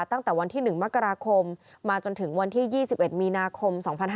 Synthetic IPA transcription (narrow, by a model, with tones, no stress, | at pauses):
t̪a˥˩ŋt̪ɛː˨˩wa˧nt̪ʰiː˥˩nɯ˨˩ŋma˦˥kːa˧ɾaː˧kʰo˧mː | aː˧t͡ɕo˧nt̪ʰɯ˩˦ŋwa˧nt̪ʰiː˥˩jiː˥˩si˨˩p̚ʔe˨˩t̪̚miː˧naː˧kʰo˧msɔː˩˦ŋpʰa˧nɦ